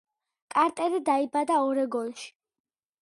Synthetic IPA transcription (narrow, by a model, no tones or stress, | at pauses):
kʼaɾt̪ʼɛɾid̪aibad̪aɔɾɛɡɔnʃi̥